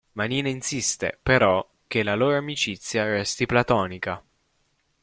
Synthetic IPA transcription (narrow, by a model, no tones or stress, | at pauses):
maniːnainsist̪ḛpeɾɔ | k̟ːelaloːɾoamit͡ʃit̪sːjarɛst̪iplat̪ɔːnika